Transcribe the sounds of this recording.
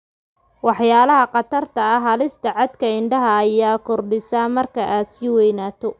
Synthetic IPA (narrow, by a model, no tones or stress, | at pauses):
wɑħjaːlɐɦɐqɑt̪ʰɐrt̪ʰɐːɦɐlɪst̪ʰɐʕɑd̪kʰɐɪɳɖɐɦɐːjaːkʰɔrɖɪsaːmɐrkʰɐʔaːd̪siːwɛjnaːt̪ʰɔ